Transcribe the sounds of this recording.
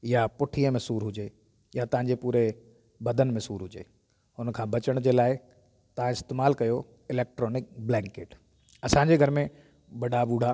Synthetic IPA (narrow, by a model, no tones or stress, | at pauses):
japʊʈʰijəmẽsuːɾɦʊd͡ʑeː | jat̪ɐ̃ɦãɲ̆d͡ʑepuːɾe | bɐd̪ʱənɪ̆mẽsuːɾɦʊd͡ʑḛː | ʊnkʰãːbɐt͡ɕəɽ̃d͡ʑeːlaːɪ | t̪ɐʋ̤ãɪst̪eːmaːlkɐjo | ɪleːk̚ʈɾɔːnɪk̚blɛ̃ːŋkeːʈ | ɐsãɲd͡ʑeɡʱɐɾmẽ | ɓɐɗabuːɽ̤ʱa